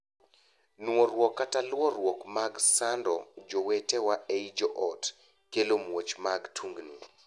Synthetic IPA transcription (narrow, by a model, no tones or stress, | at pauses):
noɾwɔkːatalwɔɾwɔkmaɡsandɔ̰d͡ʒowetewaeid͡ʒoʔɔt | kelomwot͡ʃmaɡtʰuŋɡni